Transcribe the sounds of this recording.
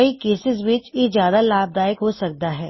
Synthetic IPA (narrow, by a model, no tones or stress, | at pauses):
ɐikeːsɪzʋɪt͡ʃjezjaːd̪alaːb̚d̪aːɪkɦosɐk̚d̪aɦɛː